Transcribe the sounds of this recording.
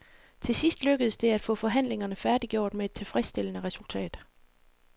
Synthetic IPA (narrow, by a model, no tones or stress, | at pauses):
t͡sʰe̝sisd̥løɡ̥əð̞̩ˠsd̥e̝æd̥fɔ̰̽ːfɒ̽ɦæn̰le̝ŋɐnəfæɐd̥iɡ̥jo̝ɐ̰d̥meːd̥̚t͡sʰe̝lfʁɛsd̥e̝lənəʁɛsult͡sʰɛ̰ːd̥